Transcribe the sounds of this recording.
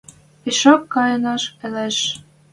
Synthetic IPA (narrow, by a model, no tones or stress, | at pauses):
iʃokːɑjɤnɑʃĕleʃ